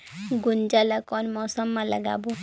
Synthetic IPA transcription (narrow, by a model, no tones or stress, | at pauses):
ɡund͡ʒaləkɔnmɔsɔmːalə̰ɡa̰bu